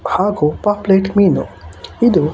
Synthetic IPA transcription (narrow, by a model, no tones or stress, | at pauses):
bʱaɡopapleʈmino̰id̪o